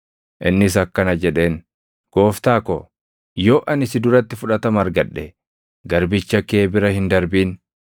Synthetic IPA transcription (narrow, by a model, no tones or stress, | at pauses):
ʔɪnːɪs̬ɐkːɐnɐd͡ʒɛᶑe̞ːn | ɡ̥o̞ːft̪aːkɔ | jo̞ːʔɐnɪsɪd̪ʊɾɐt̪ːɪfʊᶑɐt̪ɐmɐɾɡɐᶑːɛ | ɡɐɾbɪt͡ʃːɐke̞ːbɪɾɐhɪnd̪ɐɾbiːn